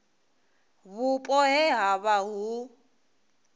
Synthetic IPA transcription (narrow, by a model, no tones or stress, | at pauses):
βʊpʼɔɦɛɦaβaɦu